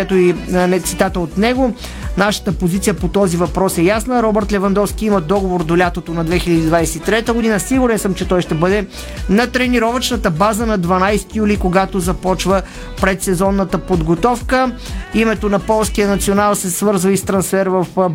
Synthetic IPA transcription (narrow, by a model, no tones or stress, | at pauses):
ɛt̪oinɛt̪sit̪at̪əot̪nɛɡo | naʃə̥t̪əpozit̪siəpot̪ɔzivɐpɾɔsɛjasnəɾɔbɛɾt̪lɛvɐnd̪ɔfskʲiiməd̪ɔɡovoɾd̪olʲat̪ot̪onɐd̪vɛxilʲəd̪iːd̪vajsɛ̥t̪it̪ɾɛt̪əɡod̪inəsiɡʊɾɛnsəmt͡ʃɛt̪ɔjʃt̪ɛbɤd̪ɛ | nɐt̪ɾɛniɾɔvət͡ʃnət̪əbazənɐd̪vɐnajsɛ̥t̪ijulikoɡat̪ozɐpɔt͡ʃvə | pɾɛt̪sɛzɔnːət̪əpod̪ɡot̪ɔfkəimɛt̪onɐpɔlˠskijənɐt̪sionalˠsɛsvɤɾzvəist̪ɾɐnsfɛɾvəf